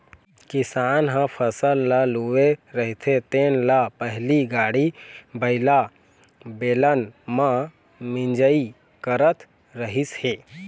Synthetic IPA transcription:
kɪsaːnɦə̃pʰəsəlːaluweɾəɦit̪ʰet̪eːnlapəɦliɡaːɽibəɪla | beːlənmã | mɪ̃nd͡ʒəi | kəɾət̪ | ɾəɦisheː

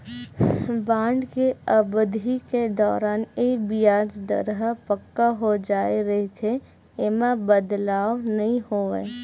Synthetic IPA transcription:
bãːɳɖkeəbd̪ʱiked̪ɔːɾaːneːbijaːd͡ʒd̪ə̰ɾɦəpəkːaɦod͡ʒaːeɾɐɦit̪ʰe | emãbəd̪laːwnɐɦĩhoə̰

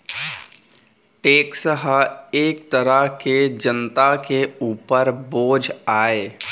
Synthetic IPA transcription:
ʈeːksəɦəeːk̚t̪əɾəɦked͡ʒənt̪akeuːpəɾboːd͡ʒʱaːeː

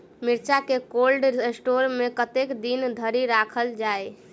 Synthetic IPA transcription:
miɾt͡ʃakekolɖesʈoɾmekət̪ekd̪ind̪ʱəɾiɾakʰəld͡ʒae

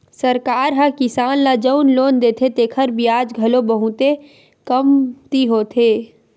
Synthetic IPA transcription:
səɾkaːɾɦəkɪsaːnlad͡ʒəʊnloːnd̪eːt̪ʰet̪eːkʰəɾbʱiaːd͡ʒɡʱɐlobəɦũt̪e | kəmt̪iɦoːt̪ʰeː

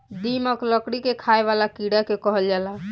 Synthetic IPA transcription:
d̪iməkləkɽikekʰaeβalakiɽakekɔɦəld͡ʒala

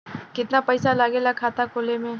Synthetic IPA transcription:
kɪt̪napɐjsalaːɡelakʰaːt̪ʰakoːlemẽ

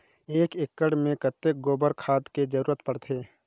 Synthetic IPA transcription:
eːkɪkːəɽmẽkət̪ːek̚ɡoːbəɾkʰaːd̪ked͡ʒəɾuːɾət̪pəɽt̪ʰeː

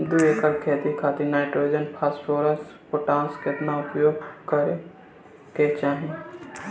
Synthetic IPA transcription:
d̪uekəɾkʰeːt̪ikʰaːt̪enaːɪʈɾoːɪd͡ʒənpʰaːsʈʰoːɾəspoʈãːnsket̪naʊpjoːɡkɐɾe | ket͡ʃaːɦi

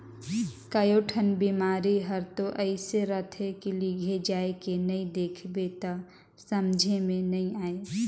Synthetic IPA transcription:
kəjoːʈʰənbiːmaːɾiɦəɾt̪oʔəɪseɾət̪ʰɦekiliɡʱed͡ʒaːekenəĩd̪eːkʰbet̪a | səmd͡ʒʱemẽnɐɦĩaːe

